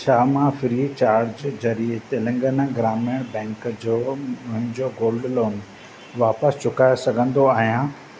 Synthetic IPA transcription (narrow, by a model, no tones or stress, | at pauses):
t͡ɕʰaːmãfɾiːt͡ɕaːɾɾd͡ʑd͡ʑɐɾit̪elɐ̃ŋɡənaɡɾaːmeɽ̃bɛ̃ːŋkd͡ʑoːmʊ̃ɦɪ̃ɲd͡ʑoɡoːlɖloːn | ʋaːpəst͡ɕʊkaːjosɐɡʱə̃nd̪oaːɦijã